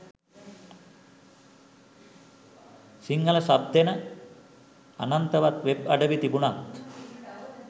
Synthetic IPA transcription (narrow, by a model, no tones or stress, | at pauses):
siŋːɐlɐsab̚d̪ʱenə | a̰nɐnt̪ɐʋat̪ʋebɐɖəʋit̪ibunant̪